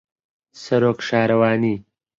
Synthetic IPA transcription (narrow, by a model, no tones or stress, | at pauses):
sɐɾoːkʂaːɾɐwaːni